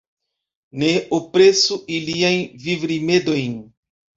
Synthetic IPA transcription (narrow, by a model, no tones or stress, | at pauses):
ne̞opɾesuʔiliajnvivɾime̞do̞jn